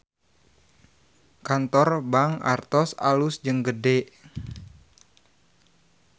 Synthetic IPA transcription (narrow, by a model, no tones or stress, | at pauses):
kant̪ɔrbaŋa̰rt̪ɔsa̰lusd͡ʒəŋɡədɛʔ